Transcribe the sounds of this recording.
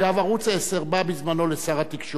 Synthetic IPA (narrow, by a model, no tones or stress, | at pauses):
lavaʁut͡saeseʁbabizmano̞lesaʁat̪ikʃo